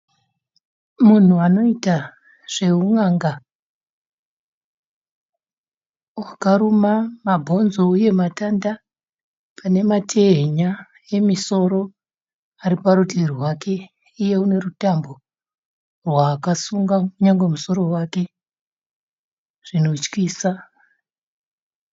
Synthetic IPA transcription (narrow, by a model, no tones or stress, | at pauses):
mun̤uano̞ita | ʐ̥e̞uŋaŋɡa | wakaɾumamabʱo̞nzo̞uje̞matanda | pane̞matʰe̞ɦeɲa | e̞miso̞ɾo̞ | aɾipaɾutirwakʰe̞ | ije̞une̞rutambo̞ | rwaːkasuŋɡauɲaŋɡwe̞muso̞ɾo̞wake̞ | ʐ̥ino̞t͡ʃkiːsa